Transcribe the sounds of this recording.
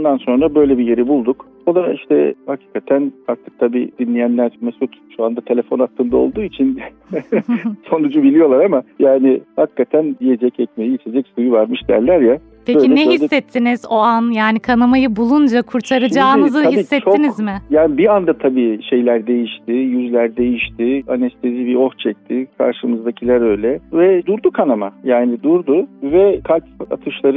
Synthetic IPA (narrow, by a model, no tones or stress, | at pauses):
und̪anso̞nɾabø̞jlʲɛbije̞ɾibulˠd̪uk | o̞d̪ˠaiʃt̪ɛ̰hacʰi̥ːkʰat̪ʰænak̚t̪ʰːɯk̚t̪ʰabiːd̪̥inlʲijænlʲæɾmesut̪ʃuand̪at̪ʰe̞lʲe̞fo̞nat̪ːɯnd̪ao̞̰lˠd̪uːit͡ʃʰin | so̞nud͡ʒubilʲijo̞lˠaɾamajaːnɪhakʰːat̪ʰænd̪ije̞d͡ʒɛcɛcme̞jiit͡ʃʰe̞d͡ʒɛcsujuvaɾmɯʃd̪ijæ̰ɾlʲæɾja | bpʰeøcilʲɛnɛɦisːɛt̪ʰːinizo̞anjaːnikʰanamajɯbulˠund͡ʒakʰuɾt̪ʰaɾɯd͡ʒaːnɯzɯhisːɛt͡ʃʰoinizmɪjaːnibiand̪at̪ʰabiːʃe̞jlʲæɾd̪e̞jiʃt̪ʰɪjyzlʲæɾd̪e̞jiʃt̪ʰɪanɛst̪ʰe̞zibiɾo̞ht͡ʃʰɛc̚t̪ʰɪkʰa̰ɾʃɯmɯzd̪acʰilʲaɾø̞jlʲɛvɛd̪uɾd̪ukʰanamajaːnɪd̪uɾd̪ʊvɛkʰalʲpa̰t̪ʰɯʃlˠaɾɯ